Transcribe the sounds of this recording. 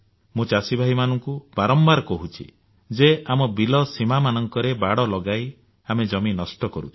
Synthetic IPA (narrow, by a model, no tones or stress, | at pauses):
mũt͡ʃasibʱaɦimanɔŋkub̥aɾɔmbaɾkɔɦut͡ʃʰḭ | d͡ʒeamɔbilɔsimamanɔŋkɔɾebaɽɔlɔɡaj | amed͡ʒɔminɔsʈɔkɔɾṵt͡ʃʰi̥